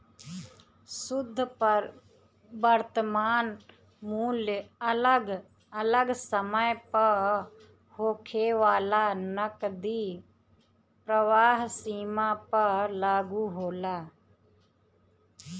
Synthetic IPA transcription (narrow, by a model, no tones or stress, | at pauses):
sʊd̪ʱːpəɾ | bəɾt̪əmaːn | muːljɡ | ələɡsəməjpə | hoːkʰeːʋaːlaːnəkd̪iː | pɾəʋaːɦsiːmãːpəɾlaːɡuɦoːlaː